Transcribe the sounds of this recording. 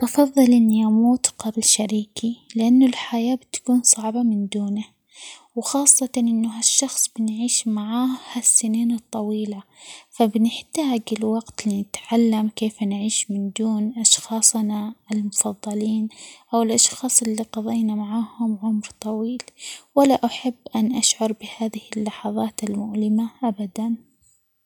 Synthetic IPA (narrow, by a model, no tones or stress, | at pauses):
ʔɑfɑðˤːɨlʔɪnːiʔamuːt̪qɑblʃaɾiːkilɪʔanːʊlħajaːbɪt̪ḁkuːnsˤɑʕbamɪnd̪uːna | wxɑːsˤːɑtnʔɪnːʊɦaʃːɑxsˤb̥ɪnʕiːʃmaʕaːhasːɪniːnɨt̪ˤːɑwiːlafabɪnɪħt̪aːɡɪlwɑqt̪linɪt̪ʕalːamkeːfnʕiːʃmɪnd̪uːnʔɑʃxɑːsˤnaʔɪlmʊfɑðˤːɑliːnʔawɪlʔɑʃxɑːsˤɪlːiqɑðˤɑjnamaʕaːhʊmʕʊmɾt̪ˤɑwiːlwalːaʔaħabːʔanʔaʃʕɑɾˤbɪhaːðɪhɪlːɑħɑðˤɑːt̪ɪlmʊʕlɪmaʔabad̪an